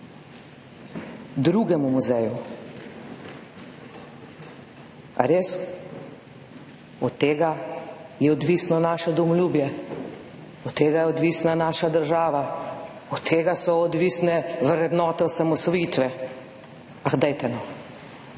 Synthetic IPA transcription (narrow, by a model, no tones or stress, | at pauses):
d̪ɾuːɡɛmumuzɛju | a̰ɾeːs | ɔt̪ːeːɡajɛɔd̪ʋisnɔnaːʃɛd̪ɔmɔlʲjuːbjɛ | ɔt̪ːeːɡajɛɔd̪ʋiːsnanaːʃad̪əɾʒaːʋa | ɔt̪ʰːeːɡasɔːd̪ʋiːsnɛʋɾɛd̪nɔːt̪ɛɔsamɔsʋɔjiːt̪ʋɛ | axd̪ɛjt̪ɛnɔ